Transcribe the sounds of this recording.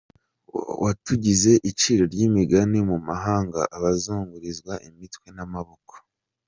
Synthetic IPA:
wʔatuɟize̞ʔit͡ʃiːɾo̞ɾɟimiɡanimumaɦaːŋɡa̰ʔaβazuːŋɡuɾizɡwaʔimitwe̞namaβoko̥

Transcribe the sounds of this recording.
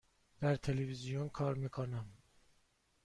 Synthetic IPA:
d̪̥æɾt̪ʰe̞levizijonkʰɒːɾmiːkʰonæm

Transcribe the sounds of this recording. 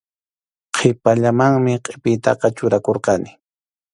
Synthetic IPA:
qʰɪpaʎamaŋmɪqʼepɪjt̪ɑ̰qɑt͡ʃʊɾakoɾqɑnɪ

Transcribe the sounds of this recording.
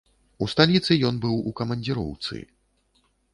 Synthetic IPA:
ust̪alʲit̪sɨjɔnbɨwukɐmɐnʲd͡zʲiɾɔ̰wt̪sɨ̰

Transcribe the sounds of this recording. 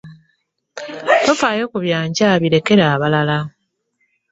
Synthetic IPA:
tofaːjo̞ːkuβjaːɲɟaβiɾe̞ke̞ɾaːβalala

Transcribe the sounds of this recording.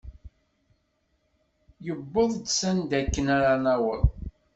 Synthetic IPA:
jəbːəðˤd̪sænd̪ækːənaɾanæwəð

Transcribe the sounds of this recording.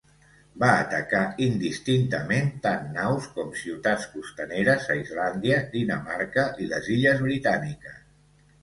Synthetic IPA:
baːt̪əkaind̪ist̪int̪əment̪anːawskɔmsiwt̪at͡skust̪əneɾəzaizland̪iəd̪inəmaɾkəʔiləziʎəzβɾit̪anikəs

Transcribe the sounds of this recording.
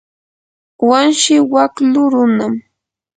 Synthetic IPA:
wanʃɪwaklʊɾʊnam

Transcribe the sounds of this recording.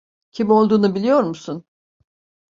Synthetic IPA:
cʰimio̞lˠd̪uːnubilʲijo̞ɾmusun

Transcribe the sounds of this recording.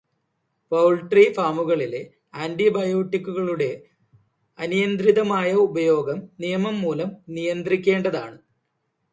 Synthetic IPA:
pɐwɭʈrifaːmuɣɐɭile | aːndibɐjoːʈːikʲːuɣɐɭuɽe̞ | ɐnijɐnd̪ɾiðɐmaːjɐubɐjo̞ːɡɐmnijɐmɐmːuːlɐmnijɐnd̪rikʲːe̞ːɳɖɐðaːɳɨ

